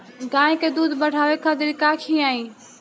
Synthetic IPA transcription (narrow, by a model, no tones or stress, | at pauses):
ɡãːẽked̪uːd̪bəɽʱaːʋekʰad̪ɾikaːkʰĩaːĩː